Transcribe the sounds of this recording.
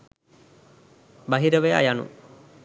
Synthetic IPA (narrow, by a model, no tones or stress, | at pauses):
baɦiɾəʋeja̰janṵ